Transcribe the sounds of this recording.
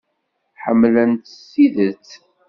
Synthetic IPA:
ħəmːlənt̪əsːiðət͡s

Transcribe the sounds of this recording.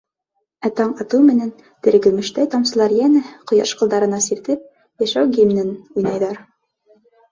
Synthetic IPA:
æt̪ɑɴɑt̪ɤwmɘ̆næn | t̪ɘ̆ɾɡɘ̆mɘ̆ʃt̪æjt̪ɑmsɤ̆lˠɑɾjænɘqŏjɑ̰ʃqɤ̆lˠd̪ɑɾɤ̆nɑsiɾt̪ɘp̚ | jæʃæwɡimnɘnujnɑjðɑɾ

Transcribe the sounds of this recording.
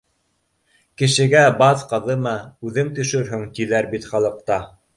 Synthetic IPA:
kɘ̆ʃɘ̆ɡæbɑθqɤ̆ðɤmɑʉðɘŋt̪ɵ̆ʃɵɾɦɵŋt̪ilæɾbit̪χɑlˠɤ̆q̚t̪ɑ

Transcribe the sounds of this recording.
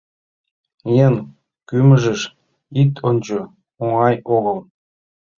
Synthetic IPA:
jen | kyməʒə̆ʃ | it̪ʰonʲt͡ɕo | oŋɑjoɣɤlˠ

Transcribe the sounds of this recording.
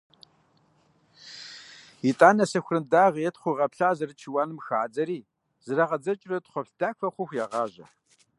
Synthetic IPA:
itʼaːnɐsɐxʷrɨmdaːʁjɛtχʷuʁɐpɬaːzɐrɨt͡ʃʰiwaːnɨmxaːd͡zɐɾiː | z̥ɨrɐʁɐd͡zɐt͡ʃʼrɐtχʷɔpɬd̥aːkɐχʷʊxʷjaʁɑːʑɐ̰

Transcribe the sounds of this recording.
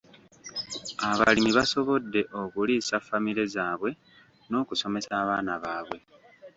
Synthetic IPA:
aβa̰limiβaso̞βo̞dːe̞ʔo̞kuliːsafːamiɾe̞zaːβwe̞ | no̞ːkuso̞me̞saːβaːnaβaːβwe̞

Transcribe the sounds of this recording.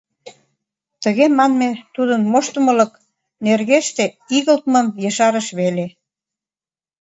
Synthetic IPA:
t̪ə̆ɣemɑnmet̪ud̪ənmoʃt̪ə̆mə̆lɤ̆k | nerɣeʃt̪e | iɣəlt̪mə̆mjɤ̆ʃɑɾə̆ʃβele

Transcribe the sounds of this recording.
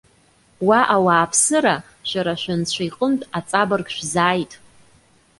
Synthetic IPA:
waʔawaːpʰsɨɾa | ʃʷᶣaɾaʃʷᶣant͡ɕʷʰajqʼəntʼat͡sʼabɨrɡʃᶣzaːjtʼ

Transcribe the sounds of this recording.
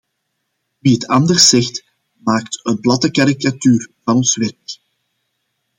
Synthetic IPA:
ʋiɦətʰɑndərsːɛxt | maːktənplɑtəkaɾikatyːrvɑnɔnsʋɛrk

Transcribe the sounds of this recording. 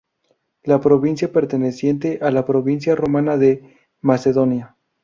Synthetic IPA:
lapɾo̞βinsjape̞ɾt̪e̞ne̞sje̞nt̪̬e̞ʔalapɾo̞βins̬jaro̞manaðe̞ | mase̞ðo̞nja

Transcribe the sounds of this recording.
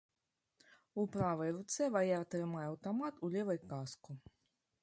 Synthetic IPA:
upɾavajɾut̪sɛvajaɾt̪ɾɨmajawt̪ɔmat̪ulʲevajkasku

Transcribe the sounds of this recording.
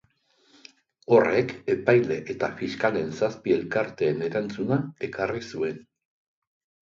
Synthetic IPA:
o̞re̞ke̞pajle̞ʔet̪afiskale̞nsaspie̞lkaɾt̪e̞ːne̞ɾant͡sunae̞karisue̞n

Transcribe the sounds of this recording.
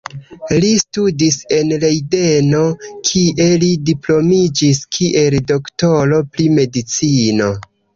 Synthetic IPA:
listudise̞nlejde̞nokʰiʔe̞lidiplo̞mid͡ʒiskʰiʔe̞ldo̞ktoɾo̞pɾime̞dit͡sino̞

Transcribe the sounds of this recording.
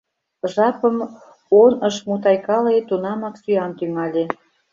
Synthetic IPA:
ʒɑpəm | onəʃmut̪ɑjkɑlet̪unɑmɑksyɑnt̪yŋɑlʲe

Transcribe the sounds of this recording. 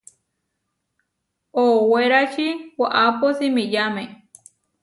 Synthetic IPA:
oːweɾat͡ʃiwaʔaposimijame

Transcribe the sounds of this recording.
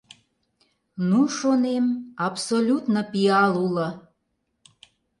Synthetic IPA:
nuʃonemɑpsolʲut̪nəpiɑlulə̆

